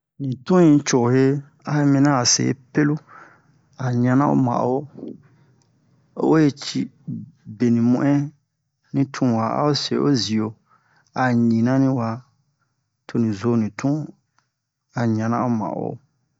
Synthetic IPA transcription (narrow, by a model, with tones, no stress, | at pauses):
nĩ˨tũ˦ɲĩ˦t͡ʃo˨he˦ | a˦e˦mĩ˦nã˦a˨sḛ˨ḛ˦pe˦lu˦ | a˨ɲã˦nã˦o̰˦mã̰˨ʔo˦ | o̰˦wo˦je˦t͡ʃi˦be˨nĩ˨mũ˦˨ʔɛ̃˦ | nĩ˦tʰũ˦˨wa˨a̰˦o˦se˨o̰˦zi˨o˨ | a˨ɲĩ˨nã˦nĩ˦wa˧ | tʰo˨nĩ˨zo˦nĩ˨tʰũ˦ | a˨ɲã˨nã̰˦o˦mã̰˨ʔo̰˦